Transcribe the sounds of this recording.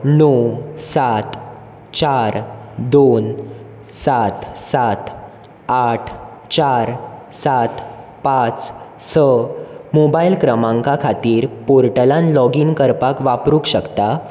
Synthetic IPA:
nɔsat̪ | t͡ɕaɾd̪on | sat̪sat̪ | aʈʰ | t͡ɕaɾ | sat̪ | pat͡s | səmobailkɾəmãŋkakʰat̪iːɾpoɾʈəlãnlɔɡiŋkəɾpakʋapɾukɕəkt̪a

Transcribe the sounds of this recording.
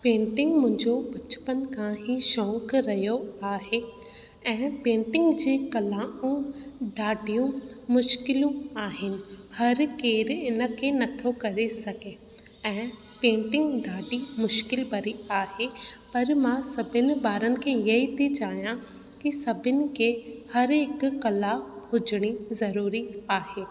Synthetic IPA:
pẽːɳʈɪ̃ŋɡmʊ̃ɦɪ̃ɲd͡ʑobɐt͡ɕʊ̥pənɪ̆kʰãɦiʃɔ̃ːkɾɐɦijoaːɦe | ɛ̃ːpẽːɳʈɪ̃ŋɡd͡ʑeːkɐlaːũɖaːɖijũmʊʃkɪlũaːɦɪnɪ̆hɐɾkeːɾɪnə̆kʰenɐt̪ʰokɐɾesɐɡe | ɛ̃ː | pẽːɳʈɪ̃ŋɡɖaːʈimʊʃkɪlbɐɾiaːɦepɐɾmãsɐbʱɪnɪ̆baːɾənɪ̆kʰẽjɐɦit̪ʰit͡ɕaːijã | kisɐbʱɪnɪ̆kʰehɐɾeːkkːɐlahʊd͡ʑɪɽ̃izɐɾuːɾiaːɦeː

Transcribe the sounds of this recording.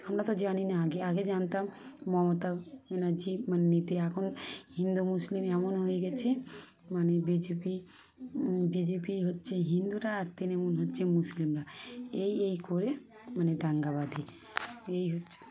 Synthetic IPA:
amɾat̪ɔd͡ʒaninaːɡeaɡed͡ʒant̪amːɔɦmot̪amɛnad͡ʒimanːit̪eakʰonhind̪umuslimɛmonɦoeɡɛt͡ʃʰe | manebid͡ʒepi | bid͡ʒepiɦotːʃʰeɦind̪uɾaːɾt̪inɛmonɦotːt͡ʃʰemuslimɾaejejkoɾe | maned̪ʱaŋɡaβad̪ʱi | ejɦotːt͡ʃʰe̥

